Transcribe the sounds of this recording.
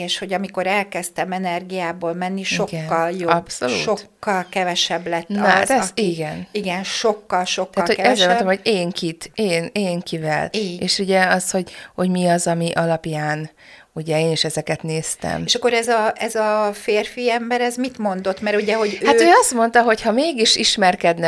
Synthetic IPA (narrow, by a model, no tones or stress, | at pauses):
eːʃho̞ɟɒmiko̞ɾɛlkɛst̪ɛmɛnɛrɡijaːboːlmɛnːiʃo̞ɡɛnːɒljoɒbsolṵːʃo̞kːɒlkɛvɛʃɛblɛt̪ːnzɛiɡɛniɡɛnʃo̞kːɒlʃo̞k̪ːatːɒloɛɛzeɾmnt̪omhoɟeːŋkit̪eːneːŋkivɛ̰lieːʃuɟɛɒsho̞ɟho̞ɟmiɒzɒmiʔɒlɒpjaːn | uɟɛeːniʃɛzɛkɛt̪neːst̪ɛ̰meʃɒkːo̞ɾɛzɒʔɛzɒfeːrfiɛmbɛɾɛzmit̪mo̞nd̪o̞t̪mɛɾuɟɛɦo̞ɟhaːt̪øːɒst̪mo̞nt̪ɒɦo̞chɒmeːɡiʃiʃmɛrkɛd̪nɛ